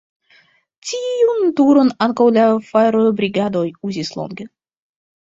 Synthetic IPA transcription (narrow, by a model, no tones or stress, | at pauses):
t͡sʲijunt̪uɾonankowlʲafaɾojbɾʲiɡad̪ojuzʲislˠo̰nɡʲə